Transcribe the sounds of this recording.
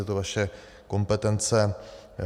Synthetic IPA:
ɛt̪ovaʃɛ | ko̞mpɛt̪ɛnt͡sɛ

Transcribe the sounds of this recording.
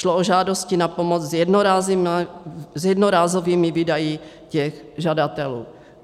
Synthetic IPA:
ʃlooʒaːdoscinapomot͡szjɛdnoɾazim | zjɛdnoɾaːzoviːmiviːdaji | cɛx | ʒadat̪ɛlṵː

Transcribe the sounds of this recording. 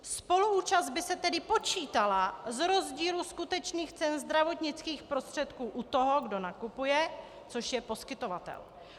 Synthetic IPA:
spo̞luuːt͡ʃazd̪̚bɪsɛt̪ɛdɪpo̞t͡ʃiːt̪alazɾo̞zɟiːluskut̪ɛt͡ʃniːxt͡sɛnzd̪ɾavo̞t̪ɲɪt͡skiːxpɾo̞st̪r̝̥ɛt̪kuːʔut̪o̞ɦo̞ɡdo̞nakupujɛ | t͡so̞ʃjɛpo̞skɪt̪o̞vat̪ɛ̰l

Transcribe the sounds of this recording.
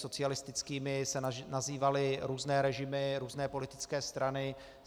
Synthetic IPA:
so̞t͡sɪalɪst̪ɪt͡skiːmɪsɛnaziːvalɪɾuːznɛːɾɛʒɪmɪɾuːznɛːpo̞lɪt̪ɪ̥t͡skɛːst̪ɾanɪ

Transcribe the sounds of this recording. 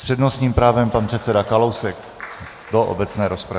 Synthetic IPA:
spr̥ɛdnosɲiːmpɾaːvɛmpanpr̝̥ɛt̪sɛdakalowsɛk | doʔo̰bɛt͡snɛːɾo̞spɾa

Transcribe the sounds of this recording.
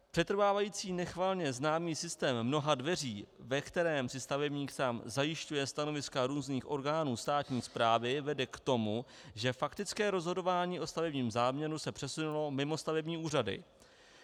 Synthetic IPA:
pr̝̥ɛt̪ɾ̩vaːvajiːt͡siːnɛxvaːlɲɛznaːmiːsɪst̪ɛːmːno̞ɦadvɛriːvɛkt̪ɛɾɛːmsɪst̪avɛbɲiːkt̪amzajɪʃcujɛst̪ano̞vɪskaɾuːzniːxʔo̞ɾɡaːnuːst̪aːt̪ɲiːspɾaːvɪvɛdɛkt̪o̞mu | ʒɛfakt̪ɪt͡skɛːɾo̞zɦo̞do̞vaːɲiːʔo̞st̪avɛbɲiːmzaːmɲɛɾusɛpr̝̥ɛsunulo̞mɪmo̞st̪avɛbɲiːʔuːradɪ̰

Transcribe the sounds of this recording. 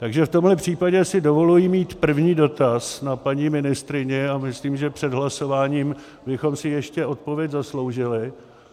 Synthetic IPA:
t̪aɡʒɛft̪o̞mlɛpr̥iːpaɟɛsɪdo̞vo̞lujimiːt̪pr̩vɲiːdo̞t̪asnapaɲimɪnɪst̪ɾɪɲɛamɪsliːmʒɛpr̝̥ɛdɦlaso̞vaːɲiːm | bɪxo̞msɪjɛʃcɛʔo̞t̪̚po̞vjɛczaslo̞wʒɪlɪ

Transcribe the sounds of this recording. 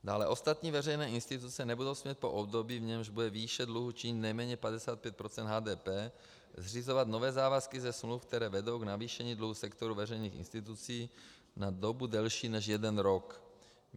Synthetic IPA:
daːlɛʔo̞st̪at̪ɲiːvɛrɛjnɛːɪnst̪ɪt̪ut͡sɛnɛbudo̞wsmɲɛt̪̚poʔobd̪obiːvɲɛmʒbudɛviːʃɛdluɦut͡ʃɪɲɪt̪nɛjmɛːɲɛpadɛsaːt̪̚pjɛt̪̚pɾot͡sɛnd̪ɦaːdɛːpɛː | zr̝izovat̪novɛːzaːvaskɪzɛsmlufk̚t̪ɛɾɛːvɛdo̞wɡnaviːʃɛɲiːdluɦusɛkt̪oɾuvɛrɛjniːxɪ̰nst̪ɪt̪ut͡siː | nad̪obudɛlʃiːnɛʃjɛdɛnɾok

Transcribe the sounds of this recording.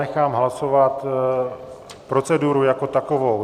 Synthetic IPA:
ɛxaːmɦlaso̞vat̪ | pɾo̞t͡sɛduɾujako̞t̪ako̞vo̞w

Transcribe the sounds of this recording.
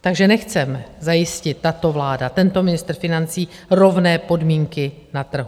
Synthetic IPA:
t̪aɡʒɛnɛxt͡sɛmɛzajɪscɪt̪ːat̪o̞vlaːdat̪ɛnt̪o̞mɪnɪst̪r̩fɪnant͡siːro̞vnɛːpo̞dmiːŋkɪ | nat̪r̩ɦu

